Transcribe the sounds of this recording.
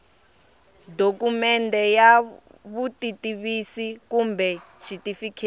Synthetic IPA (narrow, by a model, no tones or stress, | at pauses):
dokumɛntɛja | βutʼitʼiβisikumbʱɛʃitʼifikʰe